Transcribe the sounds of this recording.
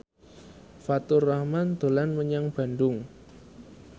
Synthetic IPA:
fat̪ʊrːahmand̪̥o̤lanməɲaŋb̥a̤ndʊŋ

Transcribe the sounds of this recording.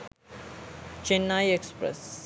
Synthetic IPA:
t͡ʃenːaːjekspɾḛs

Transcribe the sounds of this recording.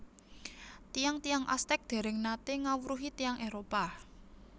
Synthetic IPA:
t̪ijaŋt̪ijaŋʔa̰st̪ɛk̚d̪̥e̤ɾɪŋnat̪eŋawuɾuɦit̪ijaŋʔeɾopa

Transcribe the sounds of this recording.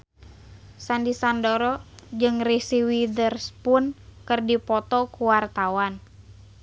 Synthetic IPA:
sandisandɔɾɔd͡ʒɨŋrisiwidərspʊnkɨrdipɔt̪ɔkuwart̪awan

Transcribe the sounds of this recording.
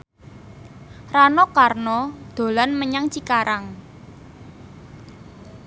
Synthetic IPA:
ranɔkarnɔd̪̥o̤lanməɲaŋt͡ʃikaɾaŋ

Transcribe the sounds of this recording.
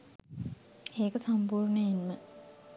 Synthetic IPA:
eːkəsampuːrnəjinmə

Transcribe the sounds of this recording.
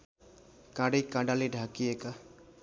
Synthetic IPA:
kaɽikaɖaliɖʱakieka

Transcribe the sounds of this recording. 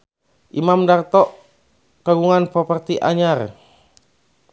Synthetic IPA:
ʔimamdart̪ɔʔ | kaɡuŋanpɔpərt̪iʔa̰ɲar

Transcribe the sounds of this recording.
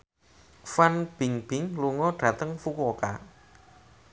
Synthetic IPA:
fanb̥ɪŋb̥ɪŋluŋɔɖ̥ä̤t̪əŋfukoka̰

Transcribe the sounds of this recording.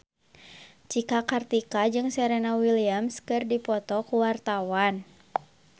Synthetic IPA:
t͡ʃikakart̪ikad͡ʒɨŋsɛɾɛnawiliamskɨrdipɔt̪ɔkuwart̪awan

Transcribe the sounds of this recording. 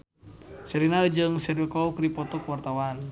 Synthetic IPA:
sɛɾinaəd͡ʒəŋsɛɾikɔukɾipɔt̪ɔkwart̪awan

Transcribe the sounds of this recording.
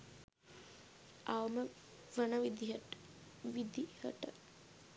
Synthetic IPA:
aʋəmə | ʋənəʋid̪iɦəʈ | ʋid̪ihə̰ʈə̰

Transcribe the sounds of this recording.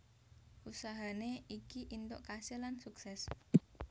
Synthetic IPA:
ʔusaɦaneikiʔint̪oʔkasilansuksɛs

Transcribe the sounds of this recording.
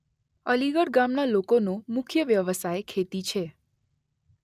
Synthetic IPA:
əliɡəɽɡamnalokonomʊkʰjəʋjəʋəsajkʰet̪it͡ʃʰe

